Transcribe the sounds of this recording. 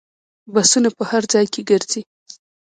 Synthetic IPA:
basunapəhaɾd͡zɑjkʰeɡəɾzi

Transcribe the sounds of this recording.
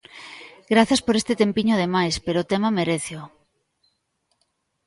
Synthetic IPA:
ɡɾaθjaspoɾest̪et̪empiɲoaðemajspeɾoːt̪emameɾeθjo

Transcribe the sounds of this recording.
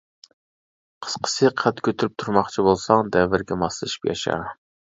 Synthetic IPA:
qʰə̥sqʰə̥sɨqʰæt̪kʲʰøt̪ʰyɾyp̚t̪ʰuɾmɑχt͡ʃʰibolˠsɑŋd̪ɛvːɪɾɡʲɛmɑslˠɨʃi̥pjɑ̰ʃɑ̰

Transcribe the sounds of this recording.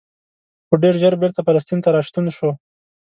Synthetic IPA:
xoɖeɾʒəɾbɪɾt̪afalas̬t̪int̪aɾɑʃt̪unʃo

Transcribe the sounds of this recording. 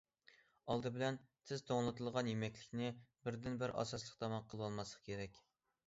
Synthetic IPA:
ɑlˠd̪ɨbɪlɛnsʰɪz̥t̪ʰoŋlˠɨt̪ʰɨlˠʁɑnjemɛkʲlɪ̥kʲnɪbɪɾd̪ɪnbɪɾʔɑ̰sɑslˠəq̚t̪ʰɑmɑnqʰəlˠwɑlˠmɑsˠə̥qkʲʰeɾɛkʲ

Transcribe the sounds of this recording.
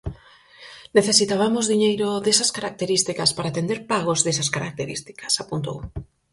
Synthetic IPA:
neθesit̪aβamozðiɲejɾoðesɐskaɾak̚t̪eɾist̪ikɐspaɾaːt̪end̪eɾpaɣozðesɐskaɾak̚t̪eɾḭst̪i̥kɐ̥sapunt̪o̰u

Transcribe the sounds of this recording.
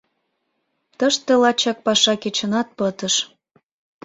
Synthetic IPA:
t̪əʃt̪elɑt͡ɕɑk̚pɑʃɑket͡ɕə̆nɑt̪̚pət̪ə̆ʃ

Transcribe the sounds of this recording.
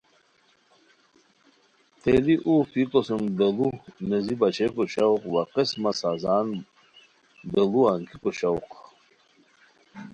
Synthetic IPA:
t̪eliʔufikosumd̪elunezibat͡ɕekoɕɐwqwaqesmasazaːn | d̪eluaŋkikoɕɐwq

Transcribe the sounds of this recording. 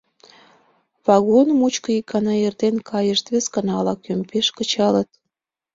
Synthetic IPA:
βɑɣonəmut͡ɕkəikɑnɑert̪enkʰɑjəʃt̪βeskə̆nɑlɑkømpeʃkət͡ɕɑlət̪̚

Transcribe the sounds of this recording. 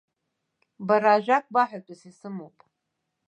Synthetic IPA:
baɾaːʒʷᶣak̚ʰʼbaħʷatʼʊsisɨmopʼ

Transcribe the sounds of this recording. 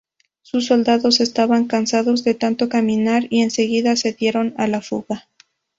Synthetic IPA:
sus̬ːo̞ld̪aðo̞se̞st̪aβaŋkansaðo̞zðe̞t̪ant̪o̞kamĩnaɾie̞nse̞ɣiðase̞ðje̞ɾo̞nalafuɣa

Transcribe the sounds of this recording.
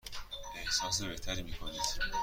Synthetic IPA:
ehsɒːs̬ebeht̪ʰæɾimikʰonid̪̥

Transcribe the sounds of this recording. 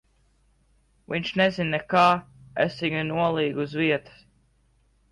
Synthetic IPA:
viɲʃnɛzinnɛkaːḛsiŋunuɔlˠiːɡuzviɛt̪ə̥s

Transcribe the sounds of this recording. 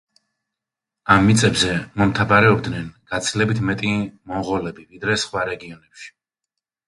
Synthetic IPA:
amːit̪sʼɛbzɛmɔmt̪ʰabaɾɛɔbd̪nɛnɡ̥at̪sʰilɛbit̪ʰmɛt̪ʼimɔʁɔlɛbivid̪ɾɛsχwaɾɛɡiɔnɛpʃi̥

